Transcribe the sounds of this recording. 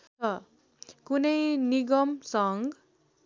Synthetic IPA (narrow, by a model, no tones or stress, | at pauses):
t̪ʌ | kunʌjniɡʌmsʌŋɡ